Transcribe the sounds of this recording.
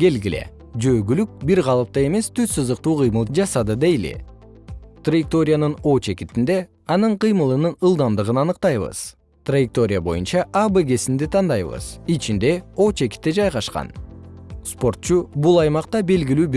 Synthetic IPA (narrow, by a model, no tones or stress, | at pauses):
ɡe̞lɡile̞̰ | d͡ʒøːɡylyk̚biɾʁɑlˠɯp̚t̪ɑe̞me̞st̪ʰyssɯzd̪ɯq̚t̪uːqʰɯjmɯlˠd͡ʒɑsɑd̪ɯd̪e̞jlḭ | t̪rajɪk̚t̪o̞ɾʲɪjanɯno̞t͡ʃe̞kit̪ind̪e̞ | ɑnɯɴqɨjmɯlˠɯnɯnɯlˠd̪ɑmd̪ɯʁɯnɑnɯqt̪ɑjβɯ̰z̥ | t̪rajɪk̚t̪o̞ɾʲɪjabo̞̰junt͡ʃɑʔabeɡe̞sind̪it̪ʰɑnd̪ɑjβɯ̰zit͡ʃind̪e̞o̞t͡ʃe̞ki̥t̪ːed͡ʒɑjʁɑʃqɑ̰n | spo̞rt̪̚t͡ʃubulˠɑjmɑq̚t̪ɑbe̞lɡʲilyːb